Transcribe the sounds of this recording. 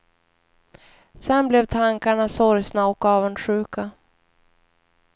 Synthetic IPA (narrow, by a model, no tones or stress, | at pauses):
sɛnblɛvt̪ʰaŋkaɳasɔɾjsnaɔkːɑːvənɧʉ̟ːka